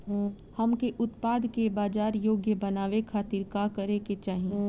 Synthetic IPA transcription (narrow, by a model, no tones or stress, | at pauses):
hɐmkeʔʊt̪paːd̪kebaːd͡ʒaːɾjoːɡjəbɐnaːʋekʰaːt̪iːɾkakɐɾeket͡ʃaːɦĩ